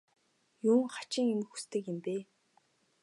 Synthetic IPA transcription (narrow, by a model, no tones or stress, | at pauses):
juːŋχḁt͡ɕiːŋemɘ̆xu̥st̪ɘ̆kɪmp̪eː